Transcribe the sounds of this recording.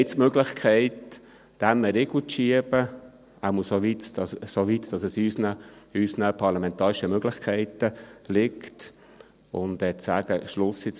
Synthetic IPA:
ɪt͡smøɡlɪχkʰɛɪt | d̥æmɛɾeɡlut͡sʃiəb̥ə | æmuəsoʋitsoʋit̪d̥ɑsɛsysnəysnəpʰɑɾlɑmɛnt̪ɑːɾɪʃəmøɡ̥lɪχkʰɛɪtəlɪkt | ʊnd̪ɛt͡sæːɡ̥əʃlʊsɪt͡s

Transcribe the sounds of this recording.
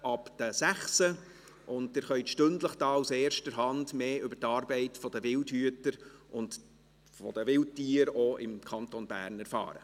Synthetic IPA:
ɑpd̥̪əsæχsə | ʔʊndtɪɾχœʏtʃtɵndləχd̥ɑːuseːɾʃtəɾɦɑndmeːʏbətɑːɾbɛɪtfɔd̥əʋɪldhyətəɾʔʊnt | fɔ̰d̥̪əʋɪlt̚tiːəɾoɪmkʰɑnt̪onbæ̰ːɾnɛɾfɑ̰ːɾə̰

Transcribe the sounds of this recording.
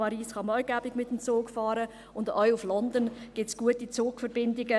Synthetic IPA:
ɑɾiːsχɑmɔʏɡabɪɡmɪtəmt͡soːkfɑːɾə | ʊndɔʏuflɔndənɡ̥ɪtsɡ̥uətit͡soːkfəɾbɪndɪɡə

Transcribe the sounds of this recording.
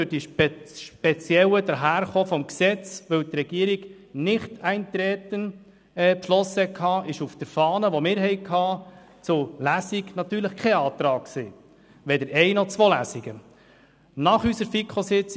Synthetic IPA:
ɵɾd̥iʃʃpɛt͡sjɛwəd̪əɾɦæːɾχoːfɔmksɛt͡sʋɵwt̪rɛɡ̥iːəɾiɡ | nɪχtæɪnt̪ɾɛt̪ən | ɛːpʃlɔsəɛkʰhɑːʔɪʃufd̥əɾfɑːnəʋɔmɪːɾɦɛɪkʰɑː | t͡sʊlæsiɡnɑt̪yːɾləχkʰɛɑːt̪ɾɑːk̚kseː | ʋɛdəɾɛɪnɔt͡sʋoːlæsiɡə | nɑχysəɾfikʰχosɪt͡s

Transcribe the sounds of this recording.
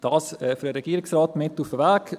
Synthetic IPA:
d̥̪ɑːsɛfɾəɾɛɡ̥iːɾɪksɾɑːt̪mɪt̪ːufəvæːk

